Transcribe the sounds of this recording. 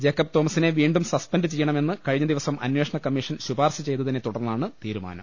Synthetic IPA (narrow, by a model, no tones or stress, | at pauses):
d͡ʑekːɐp̚t̪o̞ːmɐsineʋiːɳɖumsɐspɐndɨt͡ɕejːɐɳɐme̞nːɨkɐɻiɲːɐd̪iʋɐsɐmʔɐ̰nweːʂɐɳɐkɐmːiʂɐnɕubaːrɕɐt͡ɕe̞jt̪ːɐðinːe̞t̪uɽɐrnːaːɳɨt̪iːɾuma̰ːnɐ̰m